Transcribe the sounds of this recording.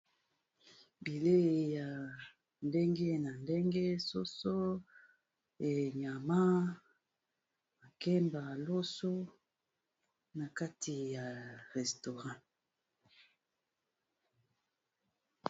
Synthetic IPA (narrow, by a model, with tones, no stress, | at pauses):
bi˨le˦˨ja˨ | nde˦ŋɡe˦na˨nde˦ŋɡe˦so˦so˦ | e˨ɲa˨ma˦ | ma˨ke˦mba˨lo˦so˦ | na˨ka˦tʰi˨ja˨ʁɛ˨sto˨ʁã˦